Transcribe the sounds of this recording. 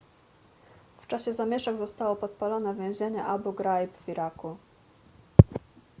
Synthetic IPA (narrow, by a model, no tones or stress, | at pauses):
ft͡ʂaɕɛzamʲjɛʂɛɡzɔst̪awɔpɔt̪̚palɔnɛvʲjɛ̃w̃ʑeɲɛʔabuɡɾajpvʲiɾaku